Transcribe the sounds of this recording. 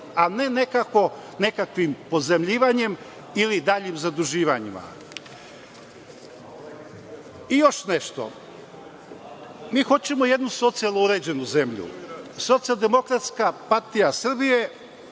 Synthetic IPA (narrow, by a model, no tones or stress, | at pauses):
ane̞ne̞kako̞ | ne̞kakʋimpo̞zemʎiːʋaɲe̞m | ilid̪aːʎimzad̪ɾuʒiːʋaɲima̰ | ijo̞ʃneʃt̪o̞̰ | miːxo̞t͡ɕe̞moje̞d̪nuso̞t̪sialˠnouɾe̞d͡ʑe̞nuzemʎṵso̞t̪sijalˠd̪e̞mo̞kɾat̪skapaɾt̪ijasr̩bije̞